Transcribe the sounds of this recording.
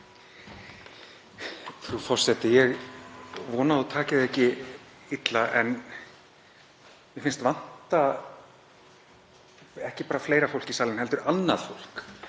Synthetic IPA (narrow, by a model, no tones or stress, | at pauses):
fɾufɔr̥sɛt̪ɪjɛɣ | vɔːnaðɔt̪ʰaːcɪðɛhcɪ | it̪laʔɛn | mɛfɪnst̪van̥t̪a | ɛhcɪpaːɾafleːjɾafowl̥cisaːlɪnhɛlt̪ʏɾanːað̥fowl̥k